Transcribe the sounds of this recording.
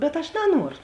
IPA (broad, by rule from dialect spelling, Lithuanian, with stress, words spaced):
bʲɛt ɐʃ nɐˈnuɔrʊ